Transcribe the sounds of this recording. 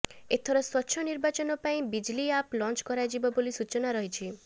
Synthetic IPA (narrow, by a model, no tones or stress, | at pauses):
et̪ʰɔɾɔswɔtːʃʰɔniɾbat͡ʃɔnɔpaĩbid͡ʒliaplɔnt͡ʃkɔɾajd͡ʒibɔbolisut͡ʃɔnaɾɔɦit͡ʃʰi